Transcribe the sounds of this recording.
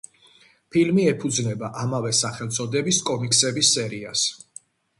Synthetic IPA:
pʰilmiɛpʰud̪znɛbaʔamavɛsaχɛlˠt̪sʼɔd̪ɛbiskʼɔmiksɛbisːɛɾias

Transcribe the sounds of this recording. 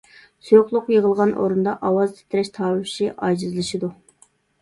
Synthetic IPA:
søχlˠʊqjeʁəlˠʁɑnʔo̰ɾund̪ɑʔɑwɑzt̪ʰe̥t̪ʰɪɾɛʃt̪ʰɑːwɪfʃiʔɑd͡ʒizɨlˠɨʃid̪u

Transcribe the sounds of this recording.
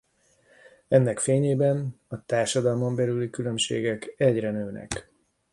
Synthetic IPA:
ɛnːɛkfeːɲeːbɛn | ɒt̪aːrʃɒd̪ɒlmo̞mbɛlylikylø̞mʃḛːɡɛkɛɟrɛnøːnɛ̰k

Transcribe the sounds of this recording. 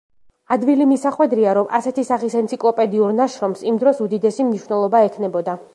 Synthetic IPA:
ad̪vilimisaχwɛd̪ɾiaɾɔmʔa̰sɛt̪ʰisaχisɛnt̪sʰikʼlˠɔpʼɛd̪iuɾnaʃɾɔmsimd̪ɾɔsud̪id̪ɛsimniʃwvnɛlˠɔbaɛkʰnɛbɔd̪a

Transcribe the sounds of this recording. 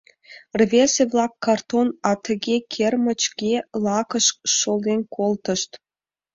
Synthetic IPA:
rvʲeseβlˠɑkːɑrt̪onɑt̪ʰə̆ɣʲekʲʰermə̆t͡ɕɡʲelˠɑkə̆ʃʃold̪enʲkʰolt̪ə̆ʃt̪

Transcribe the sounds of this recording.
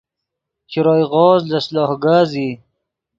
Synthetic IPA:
t͡ʃiɾɑːjɣɔːzlaslɑːhɡaːzi

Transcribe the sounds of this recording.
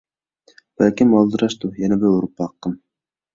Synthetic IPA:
bæːkɘmɑlˠd̪ɤ̆ɾɑʃt̪ujænæbɘuɾpɑqːɤm

